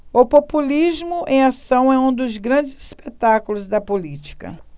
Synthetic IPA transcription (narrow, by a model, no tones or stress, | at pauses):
ʊpopulizmʊʔẽj̃asɐ̃w̃ɛũd̪ʊzɡɾɐ̃d͡ʒɪzi̥spet̪akʊlʊzd̪ɐpolit͡ʃi̥kɐ̰